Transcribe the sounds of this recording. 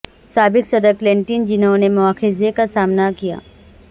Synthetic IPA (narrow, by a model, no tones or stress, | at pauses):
saːbɪksɐd̪əɾkleɳʈind͡ʒɪnõnemʊaːkɪzekasaːmnakija̰ː